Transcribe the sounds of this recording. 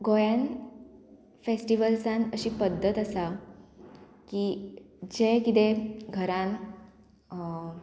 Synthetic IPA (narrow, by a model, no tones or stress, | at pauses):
ɡojan | fesʈiʋəlsãnəɕiːpəd̪ʱːət̪asa | ki | d͡ʑekit̪̬eɡʱəɾãn